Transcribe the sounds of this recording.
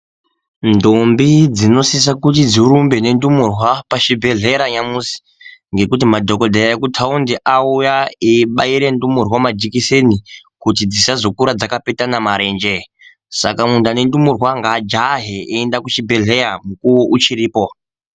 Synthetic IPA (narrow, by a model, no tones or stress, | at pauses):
ndombid͡zino̞sis̬akut̬id͡ziɾumbene̞ndumurwapaʃibʱe̞ɮe̞ɾaɲamusi̥ | ŋɡe̞kutimadʱo̞ko̞dʱaekutʰaundiʔaujaeɓaiɾendumurwamad͡ʒikisenikut̬id͡zisazo̞kuɾad͡zakapetanamaɾe̞nd͡ʒe̞ | sa̰kamundane̞ndumurwaŋɡad͡ʒaɦeeːndakut͡ʃibʱe̞ɮe̞ɾamukuuʔut͡ʃiɾiːpo